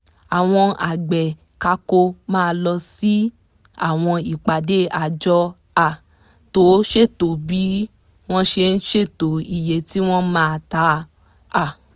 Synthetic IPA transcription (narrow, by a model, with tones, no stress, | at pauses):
a˨w̃ɔ̃˧a˨ɡ͡bɛ˨ | ka˧ko˧mãː˦˧lɔ˧si˦ | a̰˦˨w̃ɔ̃˧i˨k͡pa˨de˨˦a˨d͡ʒɔ˧ | a˨ | to˨˦ʃe˦˨to˨bi˨˦ | w̃ɔ̃˦ʃe˧n̩˦ʃe˦˨to˨i˨je˨ti˦w̃ɔ̃˦mãː˦˧˨ta˨˧ | a˦˨